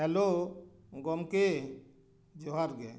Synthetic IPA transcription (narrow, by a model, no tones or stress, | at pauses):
ɛlo | ɡɔmke | d͡ʒoɦaɾɡe